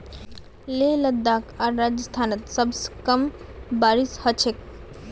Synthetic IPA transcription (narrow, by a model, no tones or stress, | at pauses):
leləd̪ːakaɾːad͡ʒəst̪ʰanət̪səbskəm | baɾishət͡ʃʰek